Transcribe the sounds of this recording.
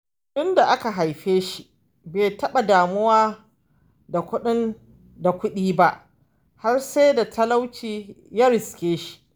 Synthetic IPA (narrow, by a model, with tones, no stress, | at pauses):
ɗʊ˦nda˨ʔa˦ka˨ɦa˨jɸeː˦ʃi˦ | beː˨tɐ˦ɓa˨daː˨mʊ˦waː˦ | da˨kʷʊ˦ɗɪ˦n | da˨kʷʊ˦ɗiː˦ba˦ʔ | ha˦rse˦da˨tʰɐ˦la˦wt͡ʃiː˦jaː˦ɾɪ˨skʲeː˦ʃi̥˦